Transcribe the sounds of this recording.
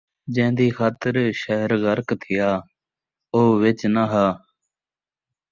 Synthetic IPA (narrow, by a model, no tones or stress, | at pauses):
d͡ʒɛ̃ːnd̪iːkʰaːt̪əɾʃəɦəɾɡəɾkt̪ʰɪjaː | oːʋɪt͡ʃnaɦaː